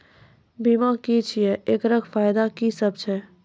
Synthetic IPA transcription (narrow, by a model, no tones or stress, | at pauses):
biːmãːkit͡ʃʰijɛʔeːkɾəɡfaːjd̪akisəb̚t͡ʃʰɛ